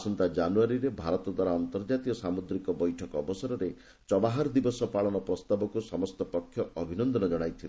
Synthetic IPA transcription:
sɔnt̪ad͡ʒanuaɾiɾebʱaɾɔt̪ɔd̪waɾaɔnt̪ɔɾd͡ʒat̪ijɔsamud̪ɾikɔbɔjʈʰɔkɔɔbɔsaɾɔɾe | t͡ʃɔbaɦaɾd̪ibɔsɔpaɭɔnɔpɾɔst̪abɔkusɔmɔst̪ɔpɔkʰːjɔɔbʱinɔnd̪ɔnɔd͡ʒɔɽ̃ajt̪ʰil

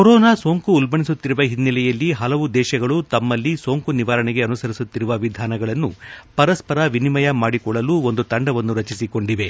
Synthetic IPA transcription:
koɾɔːnaːso̞ːŋkuːlbɐɳisut̪ːiɾuʋɐɦinːilɛjɐlːiɦɐlɐʋud̪ɛːʃɐɡɐɭut̪ɐmːɐlːiso̞ːŋkuniʋaːɾɐɳɛɡe̞ɐnusɐɾisut̪ːiɾuʋɐʋid̪ʱaːnɐɡɐɭɐnːupɐɾɐspɐɾɐʋinimɐjɐmaːɽikɔɭːɐluːo̞nd̪ut̪ɐɳɖɐʋɐnːuɾɐt͡ʃisiko̞ɳɖiʋe̞

